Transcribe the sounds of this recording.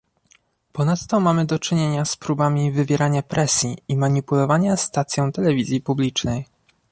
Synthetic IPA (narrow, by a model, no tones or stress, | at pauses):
pɔnat̪ːɔmamɘd̪ɔt͡ʂɘɲeɲaspɾubamʲivɘvʲjɛɾaɲapɾʔɛsʲjiːmaɲipulɔvaɲast̪at̪sʲjɔ̃w̃t̪ɛlɛvʲizʲjipublʲit͡ʂnɛj